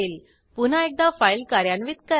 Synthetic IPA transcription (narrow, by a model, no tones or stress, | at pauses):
el | pun̤aek̚d̪ãfajlkaɾjanʋit̪̚kə